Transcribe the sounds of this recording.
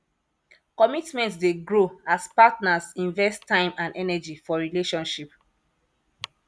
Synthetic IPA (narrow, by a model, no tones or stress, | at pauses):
kɔmitmɛ̃ntsdeɡɹoaspatnasĩnvɛstãɪ̃mãndɛnɛd͡ʒifɔɹileʃɔ̃nʃip